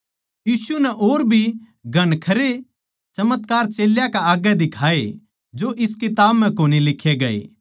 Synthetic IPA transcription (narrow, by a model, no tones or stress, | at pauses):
jiːsunɛʔoːɾbʱi | ɡʱɐɽ̃kʰɐɾe | t͡ʃɐmət̪kaːɾt͡ʃeːljakaaːɡjɛd̪ɪkʰaːe | d͡ʒoʔɪskɪt̪aːbm̤ɛ̃koːnilɪkʰːeɡɐḛː